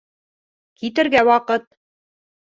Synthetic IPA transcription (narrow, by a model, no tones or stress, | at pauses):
kit̪ɘ̆ɾɡæwɑqɤt̪̚